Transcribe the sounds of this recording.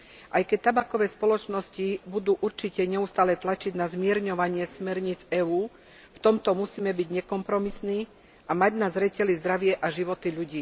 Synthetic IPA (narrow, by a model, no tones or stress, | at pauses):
ʔajkɛc̚t̪abakɔʋɛːspɔlɔt͡ʃnɔscibud̪uːʔuɾt͡ʃicɛɲɛust̪aːlɛt̪lat͡ʃiɟnazmɪɛɾɲɔʋaɲɪɛsmɛɾɲid͡zɛːuː | ft̪ɔmt̪ɔmusiːmɛbiɟɲɛkɔmpɾɔmisniː | ʔamaɟnazɾɛcɛlizd̪ɾaʋɪɛʔaʒiʋɔt̪iʎuɟiː